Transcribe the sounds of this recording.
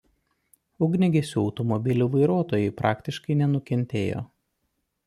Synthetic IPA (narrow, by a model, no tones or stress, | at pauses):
ʊɡnʲɪɡʲesʲuːɒʊt̪ɔmɔbʲɪlʲuːʋɐɪɾuɔt̪oːjɛɪpɾʔɑːkt̪ʲɪʃkɐɪnʲɛnʊkʲɛnʲt̪ʲeːjo̰ː